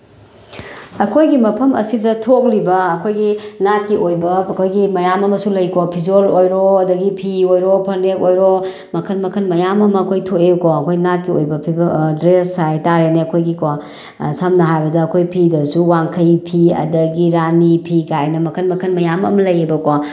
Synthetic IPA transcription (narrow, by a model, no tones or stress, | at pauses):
ɐkʰojɡimɐpʰɐmɐ̰sidɐtʰok̚libɐːkʰojɡinat̚kiojbɐkʰojɡimɐjamɐmɐsulɐjkopʰizolojɾoɐdɐɡipʰiojɾopʰɐɾnekojɾo | mɐkʰɐnmɐkʰɐnmɐjamɐmɐɐkʰojtʰoeukoɐkʰojɡinat̚kiojbɐpʰibɐdɾesːajtaɾeneɐkʰojɡiko | sɐmnɐɦajbɐdɐːkʰojpʰidɐsuwaŋkʰɐjpʰiɐ̰dɐɡiɾanipʰikajnɐmɐkʰɐnmɐkʰɐnmɐjamɐ̰mɐlɐjebɐko